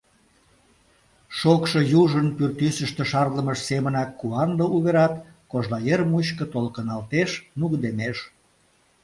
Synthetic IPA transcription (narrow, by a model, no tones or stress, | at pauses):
ʃokʃojuʒənpyrt̪ysəʃt̪ĕʃɑrləməʃsemənɑkːuɑnd̪ouβeɾɑt̪ | koʒlɑjermuɕkə̆t̪olkənɑlt̪eʃnuɣd̪emeʃ